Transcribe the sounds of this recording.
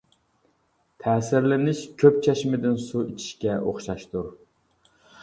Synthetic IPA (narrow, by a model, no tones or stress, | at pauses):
t̪ʰɛːsɪɾlɪnɪʃkʲʰøp̚t͡ʃʰɛʃmɪd̪ɪnsuit͡ʃʰi̥ʃkʲɛʔoχʃɑʃt̪uɾ